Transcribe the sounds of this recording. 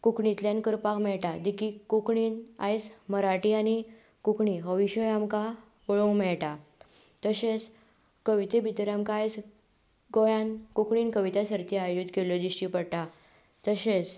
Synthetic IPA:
kukɳit̪ljankəɾpakmɛɭʈad̪ikikːukɳiːna̰jt͡sməɾaʈiañi | kukɳiɦɔʋiɕɔjamka | oɭõŋɡmɛɭʈat̪əɕet͡s | kəʋit̪ebit̪ɾamkaːjs | ɡɔjãnkukɳiːnkəʋit̪asəɾt̪iajjud̪kelɔd̪iɕʈipəɽʈa | t̪əɕet͡s

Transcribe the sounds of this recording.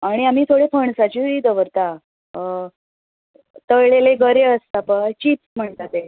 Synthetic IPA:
aɽ̃iamiːt̪ʰoɽepʰəɳsat͡ɕiid̪əʋəɾt̪a | t̪əjɭeleɡəɾeəst̪apət͡ɕiːt̪m̤əɳt̪at̪e

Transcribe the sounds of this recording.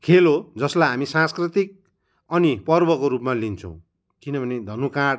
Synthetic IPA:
kʰelod͡zʌslajɦamisãnskrit̪ik̚ | ʌnipʌrbʌkoɾupmalint͡sʰʌ̃w̃ | kinʌbʱʌned̪ʱʌnukaɽ

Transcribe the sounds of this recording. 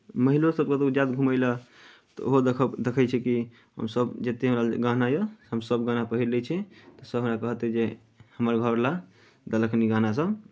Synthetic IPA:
məɦilosəb̚ket̪ɔd͡ʒad̪̚ɡʱuməɪlə | t̪ɔoɦod̪ekʰd̪ekʰɛt͡ʃʰɛki | ɦə̰msəbd͡ʒet̪eɦəmɾalɡãnajəɦəmsəbɡanapəɦiɾlɛt͡ʃʰɛt̪ɔsəbʱɦəmɾakəɦət̪ɛd͡ʒe | həməɾɡʱəɾla | d̪ələkʰniɡãnas̬əb

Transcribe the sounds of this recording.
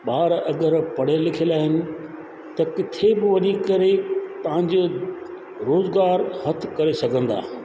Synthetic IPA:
ɓaːɾɐɡəɾpɐɽ̤elɪkʰelaːɦɪnɪ̆ | t̪ɐkɪt̪ʰebɪʋɐɲikɐɾet̪ɐʋ̤ə̃ɲ̆d͡ʑoː | ɾoːzɡaːɾhɐt̪ʰkɐɾesɐɡʱə̃nd̪a̰ː

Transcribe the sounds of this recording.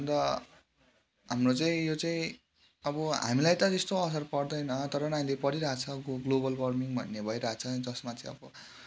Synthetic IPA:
bʌnd̪ʌ | ɦamrot͡saĩjot͡saĩ | ʌbʌɦa̰milajt̪ʌtest̪oʌs̬ʌrpʌrd̪ʌjnʌt̪ʌɾʌnaj̃lepʌɾiɾʌɦat͡sʰʌɡlobʌlbʌrmiŋbʱʌnːebʱʌjɾaɦat͡sʰʌd͡zʌsmat͡saĩʌbʌ

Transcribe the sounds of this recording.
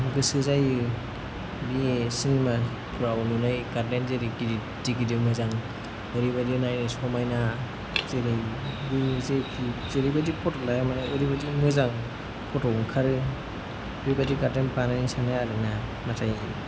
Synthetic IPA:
ɡɯsɯzajɯ | bisinima | pʰuɾawɔnunajɡaɾdenzeɾikidi | dikidimɯzaŋ | ɯɾibadinajnɯsɔmajna | zeɾij | bizekʰizeɾijbadipʰɔtlajamanaɯɾibadimɯzaŋ | pʰɔtɔŋkʰaɾɯ | ɾibadikaɾdenpanansanaːlɯna | natʰaj

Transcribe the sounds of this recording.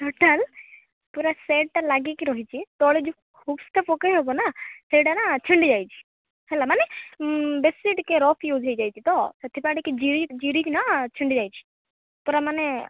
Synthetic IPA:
ʈɔʈəl | puɾaseːʈ̚ʈ̪alaɡekiɾɔɦit͡ʃʰit̪ɔɭed͡ʒu | kʰubst̪ʰapɔkəɦɔbɔnaseːʈanat͡ʃʰiɳɖid͡ʒaːjt͡ʃʰi̥ | hɛlamane | besiʈkeɾɔːpʰjud͡ʒʱɦɔjd͡ʒaːjt͡ʃʰit̪ɔsɐt̪ʰipaɽiked͡ʒiɾid͡ʒiɾikinat͡ʃʰiɳɖid͡ʒaːjt͡ʃʰi̥ | puɾamane

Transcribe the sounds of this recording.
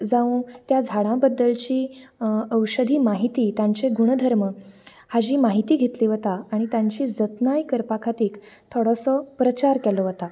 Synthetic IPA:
d͡zaũt̪jad͡zʱaɽ̃ãbəd̪ːəlt͡ɕiː | əwɕəd̪ʱiːmaɦit̪iːt̪jãɲt͡seɡʱuɽɳd̪ʱəɾmə | had͡ʑiːmaɦit̪iːɡʱet̪liːʋət̪aaɽ̃it̪jãɲt͡ɕiːd͡zət̪najkəɾpakʰat̪iːk | t̪ʰoɽɔsɔpɾət͡ɕaɾkɛlɔʋət̪a

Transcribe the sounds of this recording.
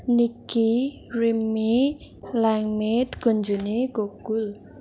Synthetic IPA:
niki | rimi | laŋmet̪ɡ̥o̤ɲd͡ʒuneɡ̥oɡ̥ul

